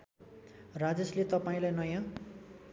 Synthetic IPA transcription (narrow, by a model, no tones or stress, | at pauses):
rad͡zʌslet̪ʌpaĩlajnʌjã